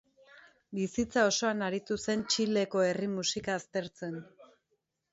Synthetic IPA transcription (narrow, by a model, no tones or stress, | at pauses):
bisit͡sao̞so̞anaɾit̪use̞nt͡ʃile̞ko̞e̞rimusikaːst̪e̞ɾt͡se̞n